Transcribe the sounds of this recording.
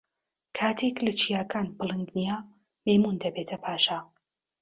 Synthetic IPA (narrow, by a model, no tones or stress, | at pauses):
kʰaːt̪ʰeklɐt͡ʃʰijaːkʰaːnbɨlˠɨŋɡnija | mejmund̪ɐbeːt̪ʰɐpʰaːʃa